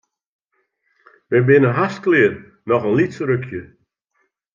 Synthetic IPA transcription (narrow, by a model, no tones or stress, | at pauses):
ʋɛjbɪnəɦasklɪən | nɔχənlitsəɾøkʰjə